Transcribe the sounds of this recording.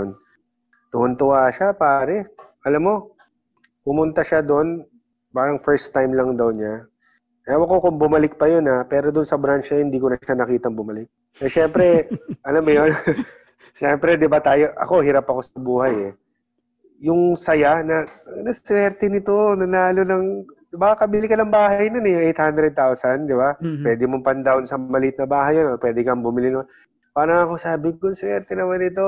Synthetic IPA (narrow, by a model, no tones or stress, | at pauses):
n | t̪ʊʔʊnt̪ʊʔaːʃapaːɾɛʔɐlɐmːo̞ | pʊmʊnt̪aʃad̪o̞n | baːɾɐŋfɛɹst̪ːajmlɐŋd̪ɐwɲa | ʔwɐkokʊŋbʊmɐlɪk̚pɐjo̞napɛːɾod̪ʊnsɐbɾant͡ʃɐhɪnd̪iːkonɐʃanɐkiːt̪ɐŋbʊmɐlɪk̚ | ɛʃɛmpɾɛʔɐlamːʊjon | ʃɛmpɾɛd̪ɪbat̪aːjo̞ʔɐ̰ko̞ɦɪɾɐpːɐko̞sɐbuːhɐjɛ | jʊŋsɐjanɐnɐswɛɾt̪ɛnɪt̪o̞nɐlaːlo̞nɐŋ | baːkɐkɐbɪlɪkɐnɐŋbaːhɐjnonɛjʊŋʔɛjt̪hand̪ɾɛd̪̚t̪awsɐnd̪ɪbapwɛːd̪ɪmompɐnd̪awnsɐmɐlit̪̚nɐbaːɦɐjonot̪̚pwɛːd̪ɪkɐmbʊmɪlɪnɐma | paːɾɐŋɐko̞saːbɪɡʊnswɛɾt̪ɛnɐmanɪt̪o̞